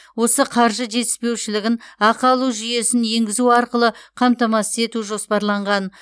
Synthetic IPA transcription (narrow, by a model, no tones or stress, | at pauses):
wo̞səqʰɑɾʒəʒe̞t̪ɪ̥spe̞wʃɪlɪɡʲɪnɑqɑlˠuʒʏje̞sɪnje̞ŋɡʲɪzuɑɾqəlˠəqʰɑmt̪ɑmɑsəze̞t̪uʒo̞spɑɾlˠɑɴʁɑn